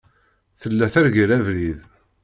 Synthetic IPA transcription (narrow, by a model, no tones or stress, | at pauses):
θəlːæθæɾɡiɾævɾið